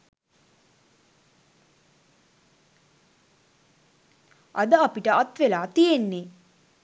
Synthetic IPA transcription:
ɐ̰d̪əapiʈəʔat̪ʋelaːt̪ijenːe

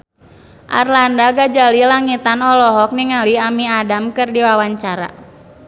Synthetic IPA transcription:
ʔa̰rlandaɡad͡ʒalilaŋit̪anɔlɔɦɔk̚niŋaliamiadamkɨrdiwawaɲt͡ʃaɾa̰

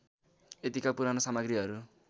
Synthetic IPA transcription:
et̪ikapuɾanosamaɡɾiɦʌɾu

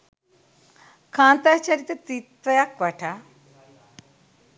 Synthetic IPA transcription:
kʰãnt̪at͡ɕaɾit̪et̪it̪ʋɐjakʋaʈʰa

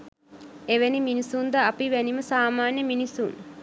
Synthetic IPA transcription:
eʋeniminisund̪əapiʋæniməsaːmaːnjəminisun

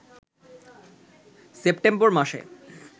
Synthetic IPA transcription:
sep̚ʈemboɾmaʃḛ

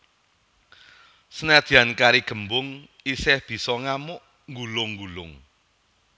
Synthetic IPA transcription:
sənad̪̥i̤ankaɾiɡ̥ə̤mbʊŋ | isɪhb̥i̤sɔŋamʊʔ | ŋɡulʊŋɡulʊ̰ŋ

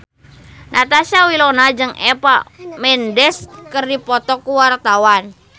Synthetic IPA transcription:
nʔat̪asawilonad͡ʒɨŋɛ̰pamɛndɛskərdipɔt̪ɔkuwart̪awan

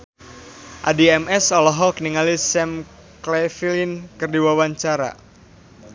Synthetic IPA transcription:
ʔa̰diɛmɛsɔlɔɦɔkəniŋalisɛm | klɛfilinkɨrdiwawaɲt͡ʃaɾa̰

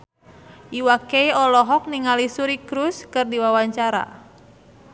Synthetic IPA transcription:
ʔiwakeiɔlɔɦɔk̚niŋalisuɾikɾuskɨrdiwawaɲt͡ʃaɾa̰

